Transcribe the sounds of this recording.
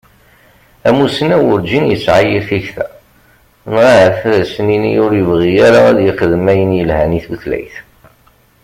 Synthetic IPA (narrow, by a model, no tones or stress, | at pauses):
æmusənæwʊɾd͡ʒinjəsʕajiɾθiçθæ̰ | nʁaəɾθæɾsəninijʊɾjəvʁijaɾaæðjəχəðmæjənjəlhæniθəθlæ̰jθ